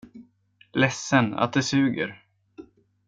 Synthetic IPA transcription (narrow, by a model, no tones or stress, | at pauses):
lɛsːəna̰t̪̚d̪ɛsʉ̟ːɡə̰ɾ